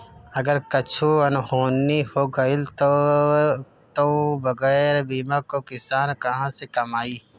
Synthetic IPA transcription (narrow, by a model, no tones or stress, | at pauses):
ɐɡəɾkɐt͡ʃʰuɐnhoːnːihoːɡɐɪlt̪ | t̪obɐɡɛːɾbiːmãkokɪsaːnkɐɦãsekɐmaːiː